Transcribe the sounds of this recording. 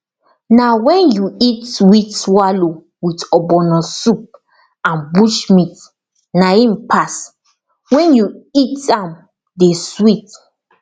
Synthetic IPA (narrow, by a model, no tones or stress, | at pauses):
nawɛ̃njuitswitwalo | witɔbɔnɔ̃sup̚ | ãnbuʃmit | naĩmpʰas | wɛ̃njuitãm | deswit